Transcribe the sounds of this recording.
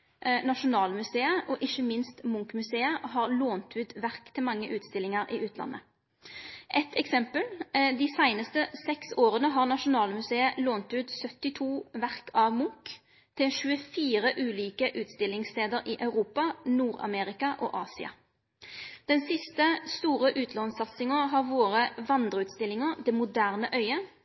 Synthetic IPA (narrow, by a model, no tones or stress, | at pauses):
nɑʂʊnɑːlmʉseːəʔɔʔɪçəmɪnst̪mʊŋkmʉseːəɦɑʁloːnt̪ʉːt̪ʋæʁkt̪ʰɪlmɑŋːəʔʉːt̪st̪ɪlːɪŋəʁʔiːʔʉːt̪ʰlɑ̰nʔə̰ | ʔɛt̪ʰɛksɛmpəld̪iːsæɪnəst̪əsɛksoːʁənəɦɑːʁnɑʂʊnɑːlmʉseːəloːnt̪ʉːt̪sœt̪ːɪt̪ʰuːʋæʁkʰɑʋmʊŋk | t̪ʰɪlʃʉːəfiːʁəʔʉːliːkəʔʉːt̪st̪ɪlːɪŋst̪eːd̪əɾʔɪʔɑʉʁuːpɑnuːʁɑ̰meːʁɪkɑʔɔ̰ʔɑːsɪɑ̰ | d̪̥ɛnsɪst̪əst̪uːʁəʔʉːt̪ʰlɔnsɑt̪sɪŋəʁɦɑʁʋoːʁəʋɑnd̪ʁəʉːt̪st̪ɪlːɪŋəʁd̪ɛmʊd̪æːʁnəʔœʏə